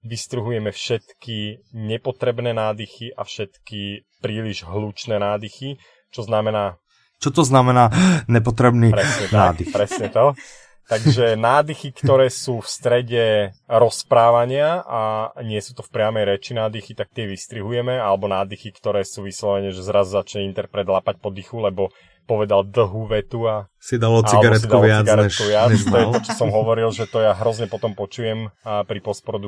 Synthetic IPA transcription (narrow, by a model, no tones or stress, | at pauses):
ʋist̪ɾuɦujɛmɛfʃɛt̪kiɲɛpɔt̪ɾɛbnɛːnaːd̪ixiʔafʃɛt̪kipɾiːliʒɦluːt͡ʃnɛːnaːd̪ixi | t͡ʃɔznamɛnaː | t͡ʃɔt̪ɔznamɛnaːɲɛp̬ɔt̪ɾɛbnipɾɛsɲɛt̪aad̪ipɾɛsɲɛt̪ɔ | t̪aɡʒɛnaːd̪ixikt̪ɔɾɛːsuːfst̪ɾɛɟɛɾɔspɾaːʋaɲɪaaɲɪɛsuːt̪ɔfpɾɪamɛjɾɛt͡ʃinaːd̪ixit̪ak̚t̪ɪɛʋist̪ɾiɦujɛmɛalɛbɔnaːd̪ixikt̪ɔɾɛːsuːʋislɔʋɛɲɛʒɛzɾazuzat͡ʃɲɛint̪ɛɾpɾɛd̪laːpac̚pɔd̪ixulɛbɔ | pɔʋɛd̪ald̪l̩ɦuʋɛt̪ua | sid̪alɔt͡salɛɡabɾɛsidk̪ulɪaɡaɾɛɛkuʋɪat͡st̪ɔjɛt̪ɔt͡ʃɔ̥sɔmɦɔʋɔɾilʒɛt̪ɔjaɦɾɔzɲɛpɔt̪ɔmpɔt͡ʃujɛmpɾipɔspɾɔd̪u